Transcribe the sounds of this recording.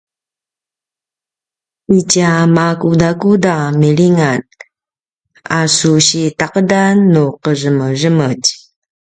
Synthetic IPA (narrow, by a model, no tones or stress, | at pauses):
icamakudakudamiɭiŋan | asuɕitaqədanːuqəʐəmərəməɟ